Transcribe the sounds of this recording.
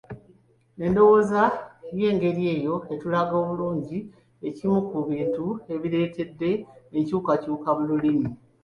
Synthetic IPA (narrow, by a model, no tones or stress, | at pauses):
e̞ndo̞wozaje̞ːŋɡe̞ɾie̞ːjo̞e̞tulaɡo̞ːβuluːɲɟi | e̞cimukuβiːntue̞βiɾe̞ːtʰe̞dːe̞ːɲcuːkacuːkaβululini